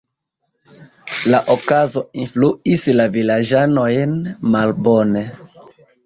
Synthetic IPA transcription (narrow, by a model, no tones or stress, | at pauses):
laʔokazo̞influislavilad͡ʒanojnmalbone